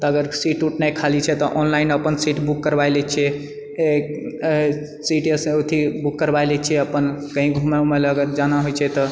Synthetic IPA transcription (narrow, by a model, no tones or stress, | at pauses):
t̪ɔəɡəɾsiʈuʈnɛjkʰalit͡ʃʰɛt̪ɔʔɔnlainəpənsiʈbukːəɾbajlɛt͡ʃʰɛ | e | siʈesot̪ʰibukːəɾbajlɛt͡ʃʰɛəpənkəɦĩɡʱumeumeləɡət̪d͡ʒanaɦojt͡ʃʰɛt̪ɔ